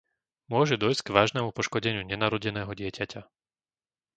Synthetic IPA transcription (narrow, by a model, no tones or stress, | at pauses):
mʊɔʒɛd̪ɔjsɡʋaːʒnɛmupɔʃkɔɟɛɲɪuɲɛnaɾɔɟɛnɛːɦɔɟɪɛcaca